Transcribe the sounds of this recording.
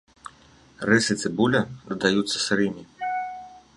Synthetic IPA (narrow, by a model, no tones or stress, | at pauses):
rɪsɨt̪sɨbulʲɐd̪ɐd̪ajut̪sːɐ̥sɾɪmʲi